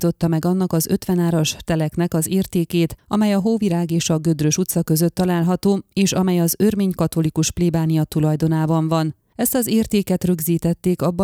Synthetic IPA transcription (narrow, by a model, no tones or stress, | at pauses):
t̪o̞t̪ːɒmɛɡɒnːɒkɒzø̞t̪ʋɛnaːɾɒʃt̪ɛlɛknɛkɒzeːrt̪eːkeːt̪ɒ̰mɛjɒɦoːviɾaːɡeːʃɒɡød̪røʃut̪sɒkø̞zø̞t̪ːɒlaːlɦɒt̪oːeːʃɒmɛjɒzørmeːɲkɒt̪o̞likuʃpleːbaːnijɒt̪ulɒjd̪o̞naːbɒɱvɒn | ɛst̪ɒzeːrt̪eːkɛt̪rø̞ɡziːt̪ɛt̪ːeːkɒbːɒ